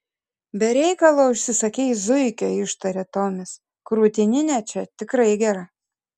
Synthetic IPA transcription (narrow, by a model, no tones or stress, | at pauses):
bʲɛɾʲɛɪkɐlˠoːʊʃʲsʲɪsɐkʲɛɪzʊɪkʲoːɪʃt̪ɐɾʲɛt̪oːmʲɪs | kɾuːt̪ʲɪnʲɪnʲɛt͡ʃʲɛt̪ʲɪkɾɐɪɡʲɛɾɐ